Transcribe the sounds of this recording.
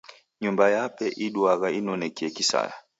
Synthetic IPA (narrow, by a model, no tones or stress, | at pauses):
ɲumbajapɛʔiɗwaɣainɔnɛkɛkisa̰ja